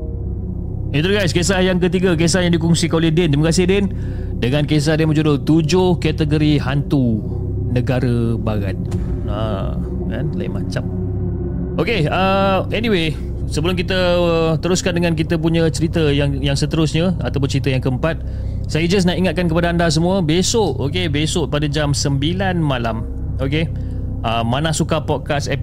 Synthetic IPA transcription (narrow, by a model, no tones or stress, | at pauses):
it̪uuɡajskesahjaŋk̬ət̪iɡak̬es̬ahjaŋdikuŋsikanolehdɛnt̪ɾiməkasɪhdɛn | dəŋankes̬ahdɛnmət͡ʃodolt̪ud͡ʒʊhkɛt̪əɡoɾiɦant̪u | nəɡaɾəbaɾa̰t̪̚a | ka̰nla̰ɪ̰ma̰t͡ʃam | okeaɛniwe | səbəlʊmkit̪ət̪əɾʊskandəŋãnk̬it̪əp̬uɲə̃t͡ʃəɾit̪əjaŋjaŋsət̪əɾʊsɲaat̪awp̬ʊnt͡ʃəɾit̪əjaŋkəəmpat̪̚ | sajəd͡ʒas̬naiŋat̪̚kankəpadaandas̬əmũəbesoʔokebesoʔpadad͡ʒamsəmbilanmalam | oke | əmːanahsukapɔt̪̚kasɛp